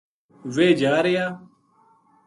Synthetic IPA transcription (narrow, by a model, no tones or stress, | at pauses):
ʋeːd͡ʒaːɾejaː